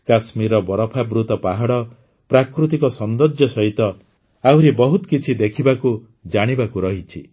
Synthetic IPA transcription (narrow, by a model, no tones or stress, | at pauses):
kasmiɾɔbɔɾɔpʰabɾut̪ɔpaɦaɽɔ | pɾakɾut̪̬ikɔsɔnd̪ɔd͡ʒjɔsɔɦit̪ɔ | awɾibɔɦut̪ɔ̥kit͡ʃʰid̪ekʰibaku | d͡ʒaɽ̃ibakuɾɔɦit͡ʃʰi